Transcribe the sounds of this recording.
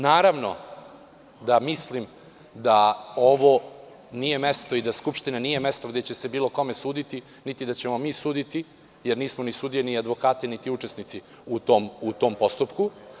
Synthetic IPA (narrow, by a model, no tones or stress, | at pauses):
naːɾaʋno̞̰ | d̪amislim | d̪ao̞ʋo | nije̞me̞st̪o̞id̪askupʃt̪inanije̞me̞st̪o̞ɡd̪et͡ɕe̞se̞biːlo̞ko̞me̞suːd̪it̪i | nit̪id̪at͡ɕe̞momiːsuːd̪it̪i | jeɾniːsmonisuːd̪ijeniad̪ʋo̞kaːt̪enit̪iut͡ʂe̞snit̪si | ut̪omut̪oːmpo̞st̪upku